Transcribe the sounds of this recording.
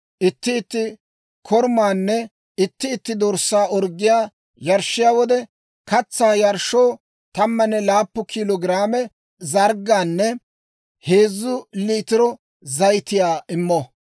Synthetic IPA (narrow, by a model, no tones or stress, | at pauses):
ʔɪt̪ːɪːt̪ːɪ | kʰɔɾmaːnːɛ | ɪt̪ːɪːt̪ːɪd̪ɔɾsːaːʔɔɾɡːɪjaː | jɐɾʃːɪjaːwɔd̪ɛ | kɐt͡sːaːjɐɾʃːoː | t̪ɐmːɐnːɛlaːpːʊkʰilɔɡɪɾaːmɛ | zɐɾɡːaːnːɛ | he̞ːzːʊliːt̪ɪɾɔ | zɐjt̪ɪjaːʔɪmːɔ